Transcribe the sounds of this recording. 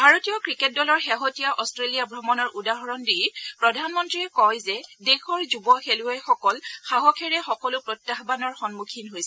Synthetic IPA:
bʱaɹotijɔkɹiket̚dɔlɔɹxeɦotijaʔɔstɹelijabʱɹɔmɔnɔɹʔudaɦɔɹɔndiɹpɹɔdʱanmɔntɹiɛkɔjzɛdexɔɹzubɔxelʊɛjxɔkɔlxaɦɔkʰɛɹɛxɔkɔlʊpɹɔtːaɦbanɔɹxɔnmukʰinɦojsɛ

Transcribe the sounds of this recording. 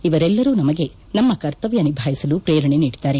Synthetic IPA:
iʋɐɾɛlːɐɾuːnɐmɐɡe̞ | nɐmːɐkɐɾt̪ɐʋjɐnibʱaːjisɐlupɾeːɾɐɳeniːɽid̪aːɾe

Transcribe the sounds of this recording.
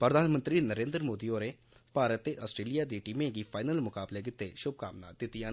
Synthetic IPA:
pɾəd̪ʱaːnmə̃nt̪ɾinəɾẽːnd̪ɾəmoːd̪ioɾe | paːɾət̪ːeʔɔːsʈɾeːlijaːd̪iʈimẽɡifʰaːɪnəlmʊkaːbleɡɪt̪ːeʃʊb̚kaːmna̰ːd̪̥ɪt̪ːijaː

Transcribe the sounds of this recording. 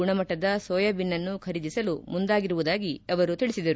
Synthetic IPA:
uɳɐmɐʈːɐd̪ɐsɔːjɐbinːɐnːukʰɐɾid̪isɐlumund̪aːɡiɾuʋud̪aːɡiɐʋɐɾut̪iɭisid̪ɐɾu

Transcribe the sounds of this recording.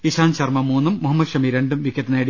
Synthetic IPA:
iɕaːnt͡ɕɐrmɐmuːnːumːuɦɐmːɐd̪ʂɐmiɾe̞ɳɖumʋikʲːjɐt̪ːineːɽi

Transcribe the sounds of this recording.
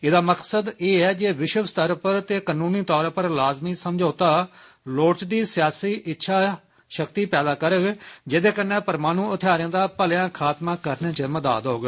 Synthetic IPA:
ɪd̪aːməksəd̪eːɛːd͡ʒeːʋɪʃəʋst̪əɾpəɾt̪eːkanũːniːt̪ɔːɾpəɾlaːzmiːsəmd͡ʒʱoːt̪aː | loːt͡ʃd̪iːsɪjaːsiːʔɪtːʃʰaː | ʃəkt̪iːpɛːd̪aːkəɾəɡd͡ʒɪd̪eːkənːɛ̃ːpəɾmaːnũːʊt̪ʰaːɾɪãːd̪aːpəljãːkʰaːt̪mãːkəɾnẽːt͡ʃəməd̪a̰ːd̪ɦoːɡ

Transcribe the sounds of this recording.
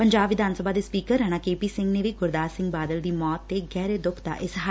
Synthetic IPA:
pəɲd͡ʒaːbʋɪd̪ʱaːnsəbaːd̪eːspiːkəɾɛːɽ̃aːkeːpiːsɪ̃ŋɡneːʋiːɡʊɾd̪aːsɪ̃ŋɡbaːd̪əld̪iːmɔːt̪ːeːɡɛːɾeːd̪ʊkʰd̪a̰ːʔɪsɦa

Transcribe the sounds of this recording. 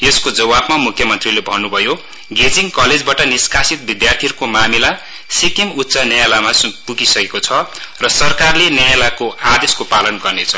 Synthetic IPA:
eskod͡zʌwabmamukʰjʌmʌnt̪rilebʱʌnːubʱʌjo | ɡed͡ziŋkʌled͡zbaʈʌniskasit̪̚bid̪jart̪ʰirkomamila | sikemut̪ːsʌnjajelamaspuɡisʌkekot͡sʰʌrʌsʌrkarlenjajelakoad̪eskopalʌnɡʌrnet͡sʰʌ

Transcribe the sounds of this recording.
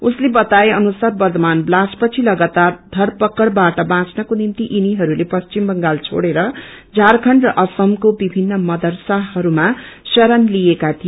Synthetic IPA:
uslebʌt̪aeʌnusarbʌrd̪ʌmanblaspʌt͡sʰilʌɡʌt̪ad̪ʱʌrpʌkːʌɽbaʈʌbãt͡snʌkonimt̪iʔiniɦʌɾulepʌst͡ʃimbʌŋɡalt͡sʰo̰ɽeɾʌ | d͡zʱarkʰʌɳrʌʔʌsʌmkobibʱinːʌmʌd̪ʌrsaɦʌɾumasʌɾʌnlijekat̪ʰijo

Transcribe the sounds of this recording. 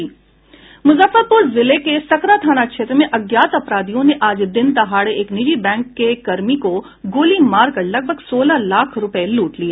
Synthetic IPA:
mʊzəfəɾpʊɾzɪlekesɐkɾat̪ʰaːnakʃeːt̪ɾəmẽʔɐɡjaːt̪ɐpɾaːd̪ijõneʔaːd͡ʒd̪ɪnt̪ɐɦaːɽeʔeːknɪd͡ʒibɛ̃ːŋkːekɐɾmiko | ɡoːlimaːɾkəɾlɐɡ̚bʱəɡsoːlalaːkʰɾʊpəeluːʈlieː

